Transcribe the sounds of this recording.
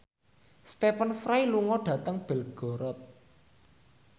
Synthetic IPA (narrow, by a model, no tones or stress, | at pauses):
st̪epənfɾajluŋɔɖ̥ä̤t̪əŋb̥ɛ̤lɡ̥ɔ̤ɾɔt̪̚